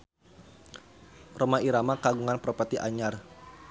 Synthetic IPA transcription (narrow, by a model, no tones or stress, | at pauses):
romaiɾamakaɡuŋanpɾɔpat̪iʔa̰ɲar